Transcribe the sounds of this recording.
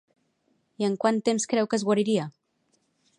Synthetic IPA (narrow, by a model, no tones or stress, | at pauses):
iəŋkwant̪emskɾɛwkəzɣwaɾiɾia